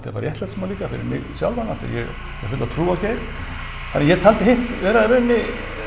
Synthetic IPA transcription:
t̪ʰɪpaːɾjɛht̪lɛt̪sɛmaɾliːkafɪ̰ɾɪ̰ɾmɪ̰ɣsja̰wlvana̰t̪ʰɪa̰jɛ̰ɣ | jɛ̰fʏt̪aðt̪ʰɾuːaceːjɾ | θanːɛjɛt̪ʰalt̪ɪɦeht̪vɛːɾaðɾʏnːɪ

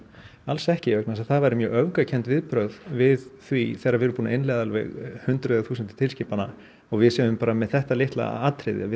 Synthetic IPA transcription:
alsɛhcɪœknas̬aðθaðvajɾɪmjœːœvkacʰɛnt̪vɪðpɾœɣðvɪðθviθɛɾːavɪːɾʏɾpuːnaɪnlɛɣðalvɛ̰ɣhʏnt̪ɾʏðaθuːsənt̪ɪ̥t̪ʰɪlscɪːpana̰ | ɔɣvɪðsɛːʏmpaːɾamɛðθɛht̪alɪht̪la̰a̰aːt̪ɾɪ̰ðɪ̰avɪ

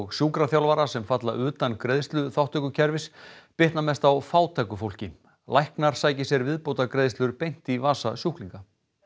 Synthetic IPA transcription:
ɣsjuːkɾaθjawlvaɾasɛmfat̪la̰ʔʏːt̪ankɾeðst̪lʏθawht̪œkʏcʰɛɾvɪspɪht̪namɛst̪awfaːwt̪ʰajkʏfowlcɪ | lajhknaɾ̥saːjcɪsjɛɾvɪðpowt̪akɾeðst̪lʏɾpejn̥t̪ivaːsasjuhkliŋka

